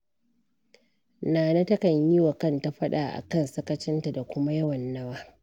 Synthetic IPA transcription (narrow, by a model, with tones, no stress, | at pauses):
naː˨nɐ˦tɐ˦kɐ˨ɲji˦wa˨kɐ˦˨nta˦ɸɐ˦ɗaː˨ʔa̰˨kɐ˦˨nsɐ˦kɐ˦t͡ʃɪ˦nta˨da˨kʷʊ˦ma˦jɐ˦wɐ˨nːɐ˦waː˦